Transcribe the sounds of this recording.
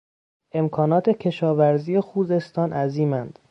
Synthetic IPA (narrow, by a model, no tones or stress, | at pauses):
ʔe̞mkʰɒːnɒːt̪ʰe̞cʲʰe̞ʃɒːvæɾziːjexuːze̞st̪ɒːnʔæziːmænd̪̥